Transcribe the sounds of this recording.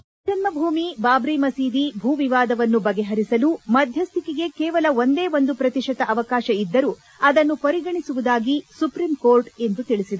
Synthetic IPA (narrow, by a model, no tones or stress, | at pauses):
d͡ʒɐnmɐbʱuːmibaːbɾijmɐsiːd̪ibʱuːʋiʋaːd̪ɐʋɐnːubɐɡeɦɐɾisɐluːmɐd̪ʱjɐst̪ʰikiɡe̞kɛːʋɐlɐʋo̞nd̪eːʋond̪upɾɐt̪iʂɐt̪ɐʔɐʋɐkaːʃɐid̪ːɐɾuː | ɐd̪ɐnːupɐɾiɡɐɳisuʋud̪aːɡisupɾimkoːɾʈe̞nd̪ut̪iɭisid̪ɐ